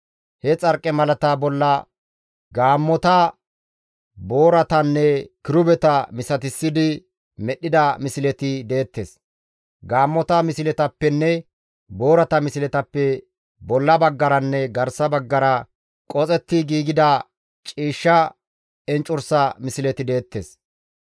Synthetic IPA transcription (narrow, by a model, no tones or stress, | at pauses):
hɛt͡sʼɐɾkʼːɛmɐlɐt̪ɐbɔlːɐ | ɡaːmːɔt̪ɐ | bo̞ːɾɐt̪ɐnːɛkɪɾʊbɛt̪ɐmɪsɐt̪ɪsːɪd̪ɪ | mɛɗːɪd̪ɐmɪsɪlɛt̪ɪd̪eːt̪ːeːs | ɡaːmːɔt̪ɐmɪsɪlɛt̪ɐpːɛnːɛ | bo̞ːɾɐt̪ɐmɪsɪlɛt̪ɐpːɛ | bɔlːɐbɐɡːɐɾɐnːɛɡɐɾsɐbɐɡːɐɾɐ | kʼɔt͡sʼɛt̪ːɪɡiːɡɪd̪ɐ | t͡ʃʼiːʃːɐ | ɛnt͡ʃʼʊɾsɐmɪsɪlɛt̪ɪd̪e̞ːt̪ːeːs